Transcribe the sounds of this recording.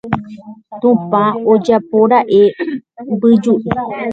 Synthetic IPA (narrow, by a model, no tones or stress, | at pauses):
t̪ũpãod͡ʒapoɾaʔe | bɨd͡ʒuʔi